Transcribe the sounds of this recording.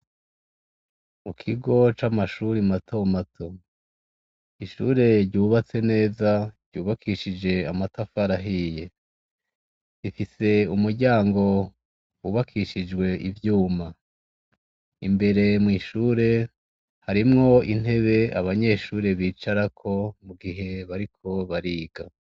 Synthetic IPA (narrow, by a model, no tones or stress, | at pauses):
ukʰiɡo̞t͡ʃamaʃuɾimatʰo̞matʰo̞ | iʃṵːɾe̞ɾɟuːβat͡se̞ne̞ːzaɾ̥ɟuːβakʰiʃid͡ʒe̞amatafaɾaɦiːje̞ | ifise̞umuɾɟaːŋɡo̞ | wuβakʰiʃid͡ʒɡwe̞ivjuːma | imbe̞ɾe̞mŋiːʃuːɾe̞ | haɾimŋo̞in̥e̞βe̞aβaɲe̞ʃuːɾe̞βiːt͡ʃaɾakʰo̞muɡiɦe̞βaɾikʰo̞βaɾiːɡ̥a